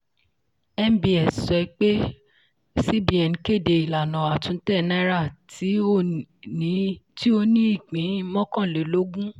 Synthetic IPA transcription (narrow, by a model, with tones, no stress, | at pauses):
ɛ˦m˦bi˦ɛ˨sɛ˨i˦k͡pe˦ | si˦bi˨˦ɛ˨n˨ke˦˨de˨i˨la˨nã˨a˨tũ˨˧n̩˦tɛ˦˨nɛ̃˦ɾa˦˨tʰi˨˦o˦˨nĩ˨˦ti˦o˧nĩ˦i˦˨k͡pĩ˨˦mɔ̃˦kã˦˨le˨lo˦ɡũ˦